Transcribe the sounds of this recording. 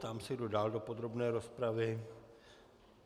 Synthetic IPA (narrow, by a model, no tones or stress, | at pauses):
t̪amsɪɡdudaːldo̞po̞d̪ɾo̞bnɛːɾo̞spɾavɪ